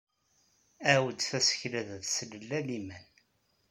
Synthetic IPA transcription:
æwəd̪θæsə̥çlæððsələlːælimæn

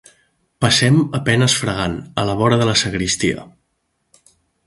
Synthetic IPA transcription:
pəsɛməpɛnəsfɾəɣ̞anələβ̞ɔɾəðələsəɣɾist̪iə̰

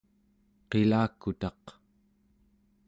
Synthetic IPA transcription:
qelaːkut̪ɑq

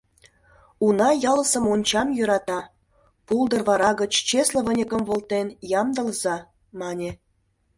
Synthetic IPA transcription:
unɑjɑləsə̆monʲt͡ɕɑmjøɾɑt̪ɑ | puld̪ə̆rβɑɾɑɣət͡ɕt͡ɕeslə̆βə̆nʲəkə̆mβolt̪enjɑmd̪ə̆lzɑ | mɑnʲe

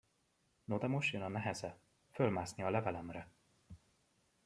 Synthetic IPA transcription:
nod̪ɛmoʃjønɒnɛɦɛzɛ | følmaːsniɒlɛvɛlɛmrɛ

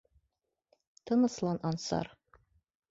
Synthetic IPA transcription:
t̪ɤ̆nɤ̆slˠɑnʔɑnsɑ̰ɾ

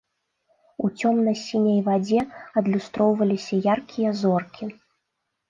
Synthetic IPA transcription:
ut͡sʲɔmnɐsʲinʲɐjvad͡zʲɛɐd̪lʲust̪ɾɔwvɐlʲisʲɐjarkʲʰijɐzɔrkʲʰi

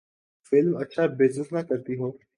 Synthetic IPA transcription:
fɪlmɐtːʃʰabɪzɪsnakɐɾt̪iɦoː

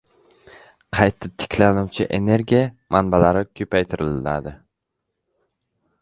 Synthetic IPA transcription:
qʰɑjt̪ʰat̪ʰɪ̥kʲʰlanuwt͡ʃʰɪʔe̞ne̞ɾɡʲijamanbalaɾɪkʲʰɵpʰajt̪ʰɪɾɪla̰d̪ɪ

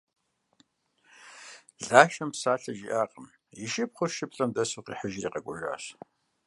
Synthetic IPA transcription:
ɮaːʃɐmpsaːɬɐʒḭʔaːqʼəm | jɪʃɪpχʷʊrʃɪpɬʼɐmdɐsuqḭːħəʒrḭːqɐɡʷʼʊʒa̰ːɕ

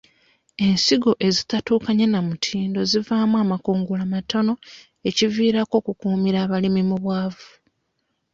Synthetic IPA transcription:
e̞nsiɡo̞ʔe̞zitatuːkaɲenamutʰiːndo̞zivaːmuwamakuːŋɡulamato̞no̞ | e̞civiːɾako̞ːkukuːmiɾaːβalimimuβwaːvu

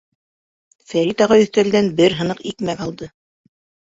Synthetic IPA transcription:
fæɾit̪ɑʁɑɵ̆θt̪æld̪ænbɘɾɦɤ̆nɤqikmækɑlˠd̪ɤ

